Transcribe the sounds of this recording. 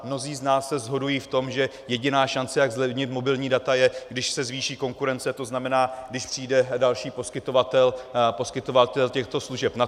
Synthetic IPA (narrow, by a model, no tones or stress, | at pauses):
mno̞ziːznaːsːɛzɦo̞dujiːft̪o̞mʒɛ | jɛɟɪnaːʃant͡sɛjaɡzlɛbɲɪt̪mo̞bɪlɲiːdat̪ajɛɡdɪʃsɛzviːʃiːko̞ŋkuɾɛnt͡sɛt̪o̞znamɛnaːɡdɪʃpr̥iːjdɛdalʃiːpo̞skɪt̪o̞vat̪ɛlpo̞skɪt̪o̞vat̪ɛlcɛxt̪o̞sluʒɛpna